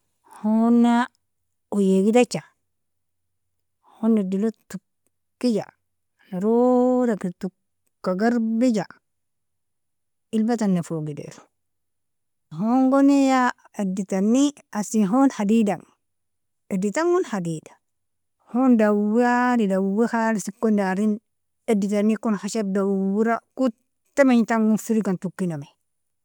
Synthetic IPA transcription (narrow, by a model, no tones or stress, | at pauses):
honːa | ojeɡidat͡ʃa | honːedilotu | kːid͡ʒa̰ | naɾodakitu | kːaɡaɾbid͡ʒa | ilbatanːefoɡidḛɾo̥ | hoŋɡonija | editanːi | asiɦonhadidaŋ | editaŋɡunhadidḁ | hondawadidawwehalsikːondaɾin | editanːikunxaʃab̚dawwuɾaku | temeɲtaŋɡunfiɾikantukːiname